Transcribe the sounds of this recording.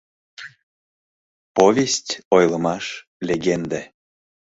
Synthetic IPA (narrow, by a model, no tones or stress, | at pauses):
povʲesʲtʲojləmɑʃ | lʲeɡend̪æ